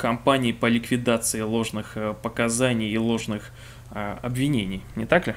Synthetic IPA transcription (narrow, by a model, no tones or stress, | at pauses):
kɐmpanʲɪːpəlʲɪkvʲɪd̪at̪sɨɪlˠo̞ʐnɨxpəkɐzanʲɪjːlˠo̞ʐnɨx | ɐbvʲɪnʲenʲɪjnʲɪt̪aklʲɪ